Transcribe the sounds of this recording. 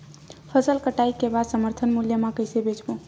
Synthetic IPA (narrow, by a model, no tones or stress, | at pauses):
pʰəsəlkəʈaikebasəməɾt̪ʰənmuljəmãkəjsebʱet͡ʃbũ